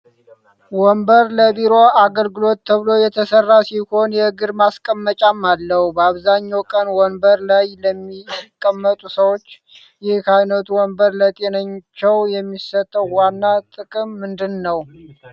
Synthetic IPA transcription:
wɔmbəɾləbiɾo̞ʔaɡəlɡɨlo̞t̪ːʰəβɨlo̞jɛt̪ʰəsərːasiho̞njɛɨɡɨɾmaskʼəmːət͡ʃʼamːalːəhubəaβzaɲːawkʼənwɔnbəɾlajləmːikʼːəmːət̪ʼusəwo̞t͡ʃː | jɪhkʰajnət̪ʰuwɔmbəɾlət̪ʼe̞nəɲt͡ʃːɛwjɛmːisət̪ʼːəwanːat̪ʼɨkʼɨmːɨnd̪ɨnːəw

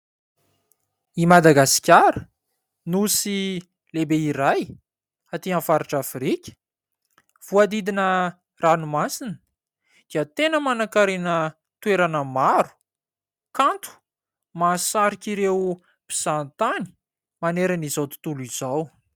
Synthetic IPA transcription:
imad̪aɡasi̥kʲaɾə | nusi | lebeiɾaj | at̪iãnfaɾiʈ͡ʂafɾikʲə̥ | v̥uad̪id̪inə | ranumasinə̥ | d̪̥iət̪enəmanakaɾenə | t̪weɾanəmaɾu̥ | kant̪u̥ | masaɾikʲiɾew | pi̥z̥ant̪ani̥ | maneɾanizawt̪i̥t̪uluiz̥aw

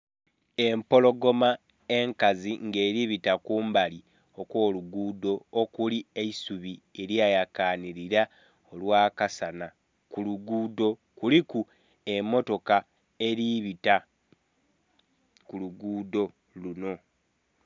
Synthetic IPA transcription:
e̞mpo̞lo̞ɡo̞ma | e̞ŋkaziŋɡe̞ːɾiβitakuːmbali | o̞kwo̞ːluɡuːdo̞ːkulieisuβie̞ɾjajakaniɾiɾa | olwaːkasana | kuluɡuːdo̞kuliku | e̞mːo̞to̞ka | e̞ɾiβita | kuluɡuːdo̞ | luno̞

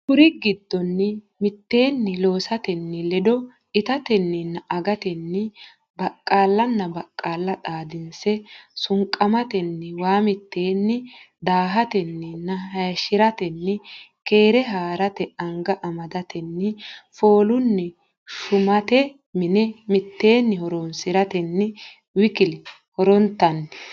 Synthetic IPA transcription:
kʊɾɪɡɪd̪ːɔnːɪ | mɪt̪ːeːnːɪlo̞ːsɐt̪ɛnːɪlɛd̪ɔ | ɪt̪ɐt̪ɛnːɪnːɐʔɐɡɐt̪ɛnːɪ | bɐkʼːaːlːɐnːɐbɐkʼːaːlːɐt̪ʼaːd̪ɪnsɛsʊŋkʼːɐmɐt̪ɛnːɪwaːmɪt̪ːeːnːɪ | d̪aːɦɐt̪ɛnːɪnːɐɦɐjʃɪɾɐt̪ɛnːɪke̞ːɾɛɦaːɾɐt̪ɛɐŋɡɐʔɐmɐd̪ɐt̪ɛnːɪfoːlʊnːɛ | ʃʊmɐt̪ɛ | mɪnɛmɪt̪ːe̞ːnːɪhɔɾonsɪɾɐt̪ɛnːɪ | wɪkɪlɪ | hɔɾɔnt̪ːɐnː

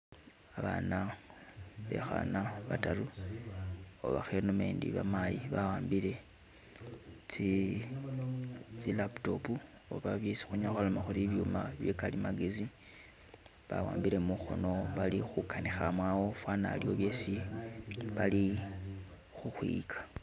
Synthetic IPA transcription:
aβa̰na | βe̞̰xa̰naβataɾu | o̰βa̰xenome̞̰ːndḭβa̰majiβawaːmbile̞ | t͡si | t͡silapto̞̰pu | oβaβje̞si̥xuɲaxalomaxuliβjumaβjekalimaɡezi | βa̰wa̰ːmbiɾe̞muxo̞̰no̞βalixukanixamwaːwofwana̰ljo̞βje̞ːsi | βali | xuxwḭkʰḁ

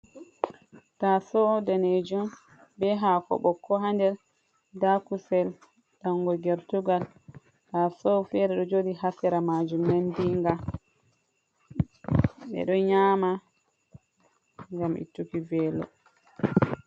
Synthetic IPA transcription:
tasɔdaned͡ʒum | bɛɦakɔ̰ɓɔkʰːɔɦandɛɾ | dakusɛl | taŋɡɔɡɛɾtuɡal | tasɔfɛɾɛɗɔd͡ʒodihasɛɾamad͡ʒumːandiŋɡa | ɓɛ̰ɗɔɲaːma | ŋɡamʔḭtːukivɛːlɔ̰

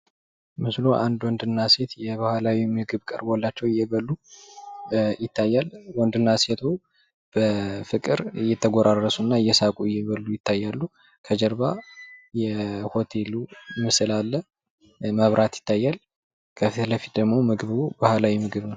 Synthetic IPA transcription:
mɨslo̞ʔand̪wɔnd̪ɨnːase̞t̪jɛβahalawimɨɡɨβkʼə̰ɾbolːat͡ʃːɛwɪjːɛβəlːu | jɪt̪ʰːajːalwɔnd̪ɨnːaset̪ʰo | b̥əfɨkʼɨɾjːɛt̪ʰəɡoɾarːəsunːaɨjːɛsakʼuɪjːɛβəlːujɪt̪ʰːajːalːu | kʰəd͡ʒəɾbajɛho̞t̪ʰe̞lumɨsɨlalːə | məβɾʔat̪jɪ̥t̪ʰːajːal | kʰəfit̪ləfi̥t̪̚d̪əɡmo̞mɨɡɨβubahalawimɨɡɨβnəw

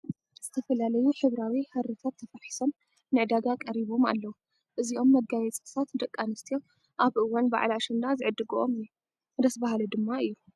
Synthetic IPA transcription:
z̥ɨt̪ʰɐfɐlalɐjuħɨβɾawihɐɾɨfʰat̪ʰːɐfɐħi̥som | nɨʕd̪aɡakʼɐɾiβo̞ma̰lːɐwu | ʔɨziʔo̞mːɐɡajɛt͡sʼɨsʰat̪d̪ɐkʼːanɨst̪ʰio̞ | ʔaβʔɨwːanba̰ʕlaʃɨnd̪azɨʕɨd̪ːɨɡoʔo̰mjːu | d̪ɐsbahalɐd̪ɨmːaɨjːu

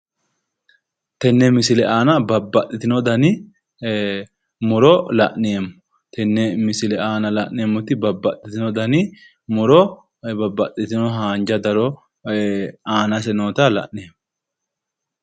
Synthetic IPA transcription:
t̪ɛnːɛmɪsɪlɛaːnɐbɐbːɐt̪ʼːɪt̪ɪnɔd̪ɐnɪ | mʊɾɔlɐ̰ʔnɪemːʊ̥ | t̪ʰɛnːɛmɪsɪlɛaːnɐlɐʔnɪjmːʊt̪ɪbɐbːɐt̪ʼːɪt̪ɪnɔd̪ɐnɪ | mʊɾɔ | bɐbːɐt̪ʼːɪt̪ɪnɔɦaːnd͡ʒɐd̪ɐɾɔ | aːnɐs̬ɛno̞ːt̪ɐlɐ̰ʔnɪemː

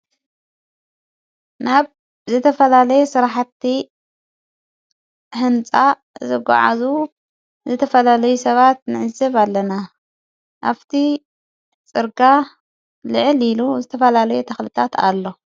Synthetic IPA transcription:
naβ | zɨt̪ʰɐfɐlalɐjesɨɾaħt̪ːi | hɨnt͡sʼa | zɨɡʷa̰ʕa̰zu | zɨt̪ʰɐfɐlalɐjusɐβat̪̚nɨʕɨzɐβalːɐna | ʔaβt̪ʰi | t͡sʼɨɾɡa | lɨʕɨliluzɨt̪ʰɐfɐlalɐjut̪ʰɐxlɨt̪ʰat̪ʰa̰lːo̞

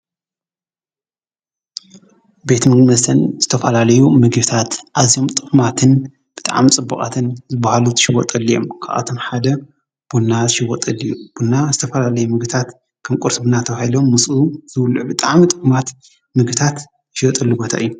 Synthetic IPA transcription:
be̞t̪mɨɡmɐst̪ʰɐnz̥ɨt̪ʰɐfɐlalɐjumɨɡɨβt̪ʰat̪ʔazijo̞mt̪ʼɨkʼmat̪ʰɨn | b̥ɨt̪ʼa̰ʕmit͡sʼɨbːɐkʼa̰t̪ʰɨnzɨbːahaluzɨʃɪwɔt̪ʼɐlːijo̞̰mkʰa̰ʔa̰t̪ʰo̞mħad̪ɐ | b̥unːazɨʃɪwːɔt̪ʼɐlijub̥unːazɨt̪ʰɐfɐlalɐjumɨɡbɨt̪ʰat̪ | kʰɐmkʼuɾsɨbɨnat̪ʰɐβahilomːɨsʼuz̥ɨwluʔbɨt̪ʼaʕmit̪ʼɨkʼumat̪ | mɨɡbt̪ʰat̪ | zɨʃiwɔt̪ʼɐlːubot̪ʰa̰ʔɨjːu

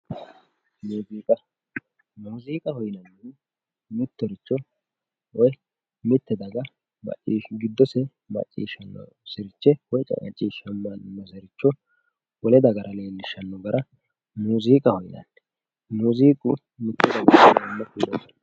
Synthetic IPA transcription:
nuːziːkʼɐ | nuːziːkʼɐhɔjnɐnːɛn | mɪt̪ːɔɾɪt͡ʃːɔ | wɔj | mɪt̪ːɛd̪ɐɡɐ | mɐ̰t͡ʃʼːiːʃɡɪd̪ːɔsɛ | mɐ̰t͡ʃʼːḭːʃɐnːɔ̰ | sɪɾɪt͡ʃːɛwɔjt͡ʃʼɐ̰kʼɐ̰t͡ʃʼːiːʃɐmːɐnnɐsɛɾɪt͡ʃːɔ | wɔlɛd̪ɐɡɐɾʔɐle̞ːlːɪʃɐnːɔɡɐɾɐ | nuːziːkʼɐhɔjnɐ̰nː | nuːziːkʼʊ | mɪt̪ːɛd̪ɐɡɐnɐnːɐkid̪ɔsɔ̥n

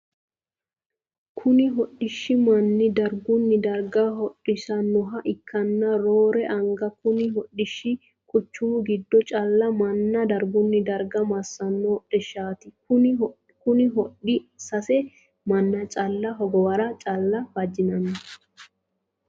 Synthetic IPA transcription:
kʰʊnɪɦɔɗɪʃːɪmɐnːɪd̪ɐɾɡʊnːɪd̪ɐɾɡɐɦɔɗːɪʃɐnːɔɦɐʔɪkʰːɐnːɐɾoːɾɛʔɐŋɡɐkʊnɪɦɔɗːɪʃːɪ | kʼʊt͡ʃːumɡɪd̪ːɔt͡ʃʼɐlːɐmɐnːɐd̪ɐɾɡʊnːɪd̪ɐɾɡɐmɐsːɐnːɔɔɗɛʃaːt̪ɪkʊnɪ | kʊnɪɦɔɗɪsɐsɛ | mɐnːɐt͡ʃʼɐlːɐɦɔɡɔwɐɾɐt͡ʃʼɐlːɐb̥ɐd͡ʒɪnɐnːɐ

